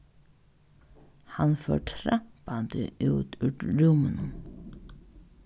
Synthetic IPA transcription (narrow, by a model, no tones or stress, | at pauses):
hanfø̰ːʈʰɾapant̪ɪʔuːt̪ʉːt̪ɾʊmənəm